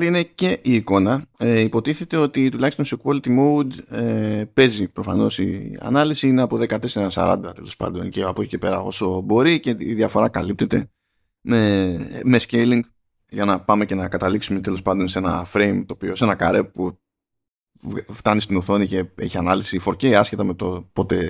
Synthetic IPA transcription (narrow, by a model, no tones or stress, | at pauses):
line̞ce̞ʔiːko̞nɐeipo̞t̪iθe̞t̪e̞o̞t̪it̪ulɐçist̪o̞nsokolit̪imoud̪epe̞zipɾo̞fɐno̞sḭɐ̰nɐlisiine̞ɐpoðe̞kɐt̪e̞se̞ɾɐsɐ̰ɾɐ̰nd̪ɐt̪e̞lo̞spɐ̰nd̪o̞̰nce̞ɐpo̞ci̥ce̞pe̞ɾɐo̞so̞bo̞ɾice̞ḭðjɐfo̞ɾɐkɐlip̚t̪e̞t̪e̞̰ | me̞mescejliŋɡ | ʝɐnɐpɐme̞ce̞nɐkɐt̪ɐliksumet̪e̞lo̞spɐnd̪o̞nse̞nɐ̰fɾe̞jmt̪o̞ːpio̞se̞nɐkaɾe̞pu | vft̪ɐnist̪inuθo̞nice̞e̞çiɐnɐlisifo̞ɾceiɐsce̞t̪ɐme̞t̪opo̞t̪e̞